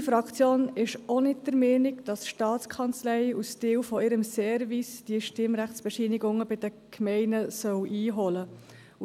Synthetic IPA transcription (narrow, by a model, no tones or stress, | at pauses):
fɾɑkt͡sjoːnɪʃɔnɪt̚dəɾmɛːnɪɡd̥ɑsʃtɑːt͡skʰɑnt͡slɛɪustɪːwfɔɪɾəmsɛːɾvisd̥iːʃtɪmɾæχt͡sb̥ɛʃiːniɡʊŋəbɪd̥ə | kʰmɛɪnəsœwʔiːɦɔlə | u